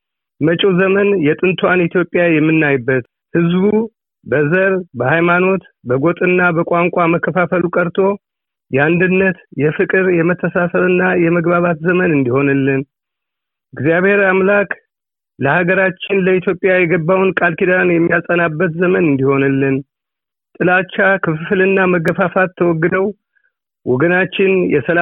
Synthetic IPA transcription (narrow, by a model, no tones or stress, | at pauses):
mət͡ʃʼuzəmənjɛt̪ʼɨnt̪ʰwanit̪ʰjo̞pʼːjajɛmːɨnːajbːət̪ | hɨzbu | bəzəɾbəhajmano̞t̪ | bəɡot̪ʼɨnːabəkʼaŋkʷʼaməkʰːəfafəlukʼəɾt̪ʰo̞ | jɛand̪ɨnːət̪jɛfɨkʼɨɾjɛmət̪ʰːəsasəlɨnːajɛməɡβaβat̪zəmənɨnd̪iho̞nɨlːɨn | ɨɡzijaβhe̞ɾamlakʼ | ləhaɡəɾat͡ʃːɪnləit̪ʰjo̞pʼjajɛɡəbːawnkʼalkʰid̪anjɛmːijasʼənabːət̪zəmənɨnd̪iho̞nɨlːɨn | t̪ʼɨlat͡ʃːakʰɨfɨflɨnːaməɡəfafat̪ʰːəwɔɡːɨd̪əw | wɔɡənat͡ʃːɪnjɛsəla